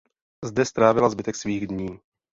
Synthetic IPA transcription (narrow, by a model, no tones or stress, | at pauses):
zdɛst̪ɾaːvɪlazbɪt̪ɛksviːɣdɲiː